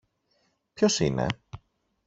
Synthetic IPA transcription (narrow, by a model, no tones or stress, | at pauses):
pço̞sine̞̰